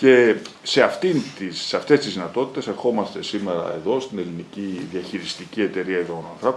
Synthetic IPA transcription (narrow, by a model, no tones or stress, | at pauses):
ce̞se̞ɐft̪int̪isːeɐft̪e̞st̪izðinɐt̪o̞t̪i̥t̪e̞se̞ɾxo̞mɐst̪e̞sime̞ɾɐ̰e̞ðo̞st̪ine̞liniciðiɐçiɾist̪icie̞t̪e̞ɾiɐiðonɐnθɾɐpo